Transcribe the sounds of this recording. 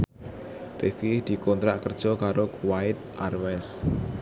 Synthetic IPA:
refid̪̥i̤kɔnt̪ɾaʔkərd̥ʒ̥ɔ̤kaɾowaɪt̪̚ʔarwɛs

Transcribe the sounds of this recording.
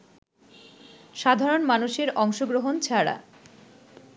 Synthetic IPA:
ʃad̪ʱaɾonmanuʃeɾɔŋʃoɡɾoɦont͡ɕʰaɽa̰

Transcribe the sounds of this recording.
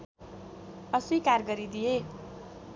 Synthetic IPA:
ʌsikarɡʌɾid̪ije

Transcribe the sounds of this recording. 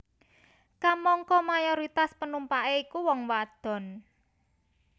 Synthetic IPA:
kamɔŋkɔmajɔɾit̪aspənumpaʔeikuwɔŋwad̪̥ɔ̤n

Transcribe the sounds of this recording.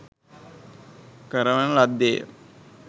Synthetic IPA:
kəɾəʋənəlad̪ːejə̰

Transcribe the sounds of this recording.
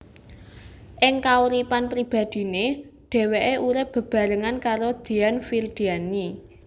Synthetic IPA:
ʔɪŋkauɾipanpɾib̥a̤d̪̥i̤ne | ɖ̥e̤weʔeʔuɾɪp̚b̥ə̤b̥ä̤ɾəŋankaɾod̪̥i̤anfird̪̥iani

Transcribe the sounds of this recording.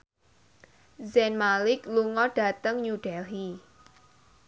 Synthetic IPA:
zɛnmalɪkluŋɔɖ̥a̤t̪əŋɲuɖ̥ɛlɦi

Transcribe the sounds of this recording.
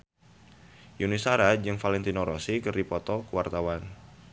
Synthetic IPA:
junisaɾad͡ʒɨŋfalɛnt̪inoɾosikɨrdipɔt̪ɔkuwart̪awan

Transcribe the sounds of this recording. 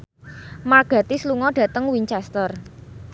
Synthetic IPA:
marɡ̥a̤t̪isluŋɔɖ̥ä̤t̪əŋwiɲt͡ʃɛst̪ər

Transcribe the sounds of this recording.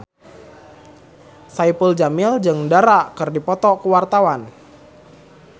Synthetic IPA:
saipəld͡ʒamild͡ʒɨŋdaɾaʔkɨrdipɔt̪ɔkuwart̪awan

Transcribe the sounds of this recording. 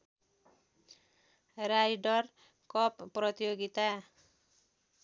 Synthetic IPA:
ɾajɖʌr | kʌpːrʌt̪ijoɡit̪a

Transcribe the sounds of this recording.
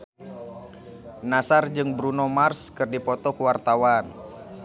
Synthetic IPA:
nasard͡ʒɨŋbɾunɔmarskɨrdipɔt̪ɔkəwart̪awan

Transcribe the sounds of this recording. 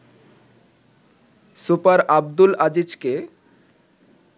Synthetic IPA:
supaɾabd̪ulad͡ʑid͡ʑke

